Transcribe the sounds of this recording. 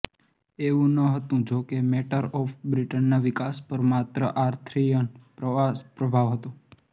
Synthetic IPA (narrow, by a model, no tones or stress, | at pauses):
eʋũnəɦət̪ũd͡ʒokemɛʈəɾɔfbɾiʈənːaʋikaspəɾmat̪ɾəʔaɾt̪ʰɾijənpɾəʋaspɾəbʱaʋɦət̪ũ